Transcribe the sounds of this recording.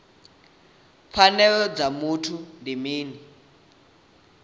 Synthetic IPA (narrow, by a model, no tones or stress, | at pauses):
fʰanɛlɔd͡zamutʰundimiːni